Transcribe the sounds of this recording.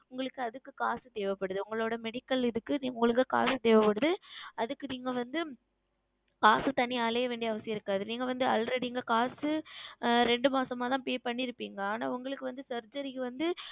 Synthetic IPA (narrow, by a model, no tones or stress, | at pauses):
ʊŋɡɐɭɯkːɯɐðɯkːɯkaːsɯt̪eːʋɐpːɐɽɯðɯʊŋɡɐɭoːɽɐmɛɽɪkːɐlɪðɯkːɯniːʊŋɡɐɭɯk̬ːɯka̰ːsɯt̪eːʋɐpːɐɽɯðɯɐðɯkːɯniːŋɡɐʋɐnd̪ɯ | kaːsɯt̪ɐɳɪjaːleːɐʋeːɳɖiɐʋɐsɪjɐɪɾɯkːaːðɯniːŋɡɐʋɐnd̪ɯɐlɾɛɽiŋɡɐkaːsɯ | ɾɛɳɖɯmaːsɐmaːt̪ãːpeːpɐɳːɪɾɯpːiːŋɡɐaːna̰ːʊŋɡɐɭɯkːɯʋɐnd̪ɯsɐɾd͡ʒɐɾɪkːɯʋɐnd̪ɯ